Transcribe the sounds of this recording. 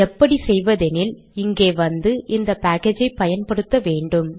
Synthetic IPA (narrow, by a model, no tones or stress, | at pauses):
ɛpːɐɽisɛjʋɐðɛnɪl | ɪŋɡeːʋɐnd̪ɯʔɪnd̪ɐpaːkeːd͡ʒɐɪpːɐjɐnpɐɽɯt̪ːɐʋeːɳɖɯm